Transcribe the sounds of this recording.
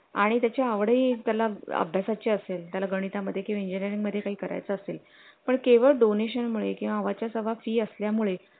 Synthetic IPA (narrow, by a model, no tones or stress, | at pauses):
aɽ̃it̪jat͡ɕjaəʋɽəiːt̪jalaə̰bʱjasat͡ɕeəselt̪jalaɡəɽ̃it̪aməd̪ʱːjekĩwʋaiɲd͡ʑiniəɾĩŋɡməd̪ʱːjekaɦiːkəɾa̰jt͡səəsel | pəɳkeʋəɭɖoneɕənmuɭekĩw̃ʋaːʋat͡ɕjasəʋafiːəsljamuɭe